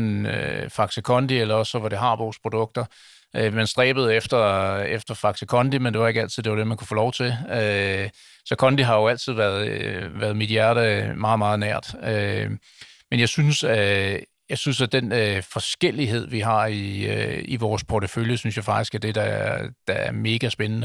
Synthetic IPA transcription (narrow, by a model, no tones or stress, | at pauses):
nøfɑ̈ɡ̥səkʰɒ̽nd̥ielɐɒ̽sːɒ̽ʋɒɾ̥e̝ɦɑ̈ʋɔːspʰʁo̝d̥ɔ̽ɡ̥̚d̥ɐ | ømænsd̥ʁɛ̰ːb̥əð̩ˠefd̥ɐefd̥ɐfɑ̈ɡ̥səkʰɒ̽nd̥imend̥e̝ʋɑ̈e̝ɡ̥æl̰t͡sʰið̰ˠde̝ʋɑd̥e̝mænkʰu̥fɔ̰ːlɒʊt͡sʰe̝lø | sɒ̽kʰɒ̽nd̥iɦɑ̈jo̝æl̰t͡sʰið̞̰ˠʋæɐð̩ˠʋæɐðˠmid̥jæɐ̰ɾəmɑ̈ːð̩ˠmɑ̈ːð̞̩ˠnæɐ̰d̥ø | menjɑ̈ɪsynsæ | jɑ̈ɪsynsæd̥enfɒ̽sɡ̥el̰iɦe̝ð̞̰ˠʋiɦɑ̈iiʋɒːspʰɒt͡səføljəsynsjɑ̈ɪfɑ̈ɡ̥isɡ̥æɐd̥e̝d̥ɑd̥ɑæɐme̝ːɡ̥æsb̥enənə